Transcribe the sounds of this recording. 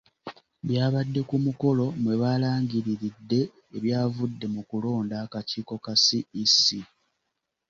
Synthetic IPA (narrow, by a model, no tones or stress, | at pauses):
bjaːβadːe̞kumuko̞lo̞mwe̞βaːlaːŋɟiɾiɾidːe̞ː | βjaːvudːe̞mukulo̞ːndakaciːko̞kasiisi